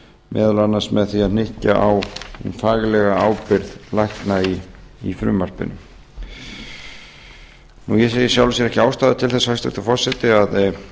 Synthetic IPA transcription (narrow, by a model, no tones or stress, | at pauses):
mɛ̰ːðʏlanːasmɛðθiaðn̥ɪhcaʔaw̰nfaːɣlɛɣaaːwpɪɾðlajhknaiifɾʏ̰ːmar̥pɪ̰nʏm | nujɛseːjɪsjawlɪsjɛɾɛhcɪaːwst̪aːðʏt̪ʰɪlθɛsːaast̪ʏ̰̥t̪ḁfɔr̥sɛt̪ɪað